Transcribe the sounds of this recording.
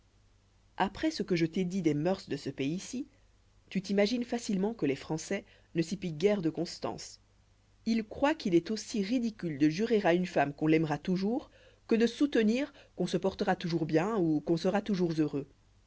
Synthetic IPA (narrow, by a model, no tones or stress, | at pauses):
apχɛsəkəʒət̪ed̪id̪ɛmœʁsd̪əsəpeiːsi | t̪yt̪imaʒinfasilmɑ̃kəlefχɑ̃sɛ | nəsiplik̚ɡɛʁd̪əkɔ̃st̪ɑ̰̃s | ilkχwakilɛt̪osiʁid̪ikʲyld̪əʒyʁeʁaynfamkɔ̃lɛmʁat̪uʒuʁ | kəd̪əsut̪əniːʁkɔ̃səpɔʁt̪əʁat̪uʒuʁbjɛ̃ukɔ̃səʁat̪uʒuʁzøʁø